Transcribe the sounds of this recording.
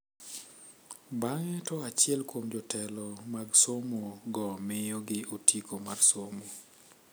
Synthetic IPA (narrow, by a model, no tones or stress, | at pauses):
baŋɛtɔat͡ʃɪɛlkwomd͡ʒɔtɛlɔmaɡsomoɡɔmɪjɔɡɪotikʰomarsomo